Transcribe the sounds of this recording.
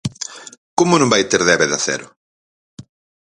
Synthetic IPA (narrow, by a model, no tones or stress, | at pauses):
komʊnõmbajt̪eɾðɛβeðaθɛ̰ɾʊ̰